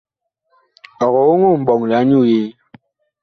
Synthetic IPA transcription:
ɔ˨ɣɔ˨wo˦ŋu˦˨m̩˨bɔ˨ŋ˨la˨˦ɲu˦˨je˦

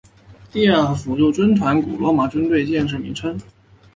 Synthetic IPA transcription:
t̪i˥˧a˥˩fu˧˥t͡ɕjo˥˩ʊʈ͡ʂwə˥nt̪ʰwa˧˥nkṵ˨˩lwɔ˧˥ma˨˩ʈ͡ʂwə˥nt̪we˥˧ɪt͡ɕjɛ˥˧nʂ̬ɤ˥˩mḭ˧˥nʈ͡ʂʰə˥ŋ

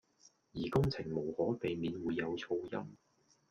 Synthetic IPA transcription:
jiː˨˩kʊ˥ŋt͡sʰɪ˨˩ŋmo˨˩whɔː˨˥pe˨˧jmiː˨˧nwuː˨˧jːɐ˨˧wt͡sʰo˥wjɐ̰˥m

